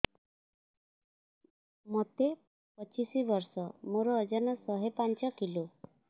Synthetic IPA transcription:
mɔt̪e | pɔt͡ʃisibɔɾsɔmoɾɔːd͡ʒɔnɔsɔɦepant͡ʃɔkilo

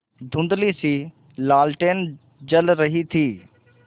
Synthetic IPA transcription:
d̪ʱʊ̃nd̪lisiː | laːlʈeːn | d͡ʒəlɾəɦit̪ʰiː

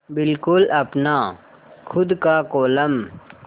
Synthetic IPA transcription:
bɪlkʊlɐpna | kʰʊd̪kakoːlɐm

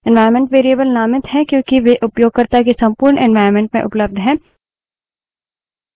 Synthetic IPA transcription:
ɛ̃nʋaːɪɾmẽɳʈʋeːɾiəbəlnaːmɪt̪ɦɛkjõːkiʋeʔʊpjoːɡ̚kɐɾt̪akesɐ̃mpuːɾɳʔɛ̃nʋaːɪɾmẽɳʈmẽʔʊpləb̚d̪ʱɦɛ̃ː

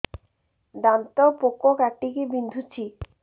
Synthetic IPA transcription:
d̪ant̪opokokaʈːikibind̪ʱut͡ɕʰi

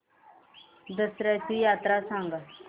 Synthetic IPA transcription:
d̪əsɾatijat̪ɾasãŋɡət̪

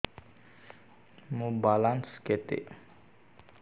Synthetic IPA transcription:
mubalansket̪ɪ̰ʔ

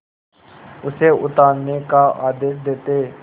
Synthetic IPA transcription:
ʊseʊt̪aːnnekaaːd̪eːʃd̪eːt̪eː

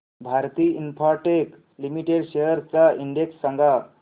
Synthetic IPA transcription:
bʱaɾt̪iinpʰaɾʈek | limiʈeɖseɦəɾt͡saʔiɳɖeksːəŋɡa

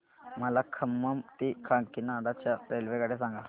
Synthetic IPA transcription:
məlakʰəmːəmt̪ikʰaŋkinaːɽat͡ɕjaɾelʋekəɽes̬ãŋɡa

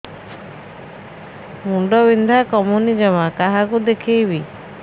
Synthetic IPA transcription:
muɳɖɔbind̪ʱakɔmunid͡ʒɔmakaɦakud̪ekʰijbi

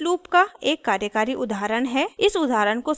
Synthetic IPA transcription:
luːpkaeːkːaːɾjəkaːɾiʔʊd̪ʱaːɾəɽɦɛɪsʊd̪ʱaːɾəɽ̃ko

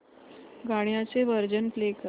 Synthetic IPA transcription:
ɡaɳjat͡seʋəɾd͡ʑənplekə

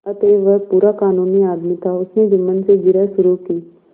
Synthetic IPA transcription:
ɐt̪eːʋəɾpuːɾakaːnuːniaːd̪mit̪ʰaʊsned͡ʒɪmːənseɡɪɾɛʃʊɾukiː

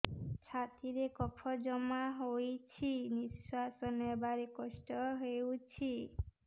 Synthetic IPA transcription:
t͡ʃʰat̪iɾekɔpʰɔd͡ʒɔmaɦojt͡ʃʰiniswasɔnebaɾekɔsʈɔɦewt͡ʃʰi

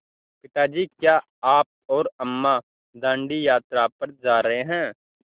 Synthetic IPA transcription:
pɪt̪ad͡ʒiːkjaː | aːp̚ɔːɾɐmːa | d̪ãːɳɖijaːt̪ɾaːpɐɾd͡ʒaːɾɐɦeɦɛ̃ː

